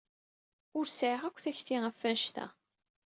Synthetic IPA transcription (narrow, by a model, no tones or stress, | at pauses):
ʊɾsʕiʁækʷːθæçθiʁæfːænʃt̪æ̰